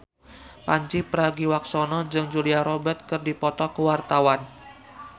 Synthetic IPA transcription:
paɲt͡ʃipəɾaɡiwak̚sɔnɔd͡ʒɨŋd͡ʒuliaɾɔbɛt̪̚kərdipɔt̪ɔkəwart̪awan

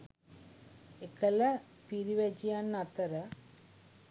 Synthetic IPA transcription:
ekɐlɐ | piɾiʋed͡ʒijanːat̪ɐɾɐ

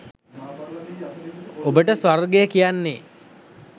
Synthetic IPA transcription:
obəʈəsorɡejəkijanːe

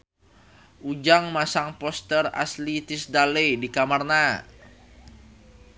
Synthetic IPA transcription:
ʔud͡ʒaŋmasaŋpɔst̪əra̰slit̪isdaledikamarna

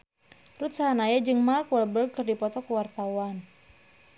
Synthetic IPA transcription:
rut̪̚sanajad͡ʒɨŋmarkwɛbəlkɨrdipɔt̪ɔkuwart̪awan

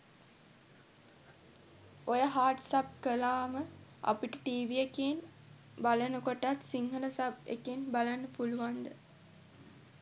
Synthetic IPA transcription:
ojəɦaːʈsap̚kəlaːməa̰piʈəʈiːʋieken | balənəkoʈat̪siŋɦələsabḛkinbalanːəpuluʋand̪ə

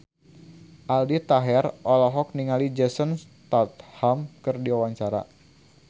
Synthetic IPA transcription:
ʔaldit̪aɦɛrɔlɔɦɔk̚niŋalid͡ʒɛsənst̪at̪̚hamkɨrdiwawaɲt͡ʃaɾa̰

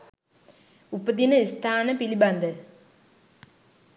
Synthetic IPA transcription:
upːɐd̪inɐist̪ʰaːnɐpilibɐnd̪ɐ

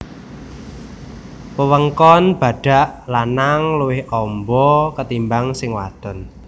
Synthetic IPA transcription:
pəwəŋkɔnb̥ä̤ɖ̥a̤ʔlanaŋluwɪhɔmbɔkət̪imbaŋsɪŋwa̰d̪̥ɔ̤n

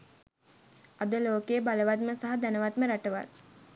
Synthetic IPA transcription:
ad̪əloːkejbaləʋat̪məsaɦad̪ænəʋat̪məɾaʈəʋa̰l

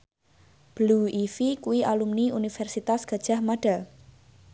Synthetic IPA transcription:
b̥luifikuwiʔalumniunifɛrsit̪asɡ̥ä̤d̥ʒ̥a̤hmaɖ̥al

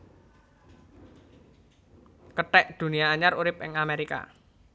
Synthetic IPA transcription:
kəʈɛʔd̪̥ṳnijaːɲaɾuɾɪp̚ɪ̰ŋameɾika̰

